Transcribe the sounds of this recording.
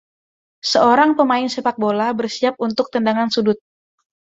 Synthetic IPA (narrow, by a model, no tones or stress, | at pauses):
səoɾaŋpəmaɪnsepak̚bolabərsiap̚unt̪ʊk̚t̪əndaŋansudʊt̪̚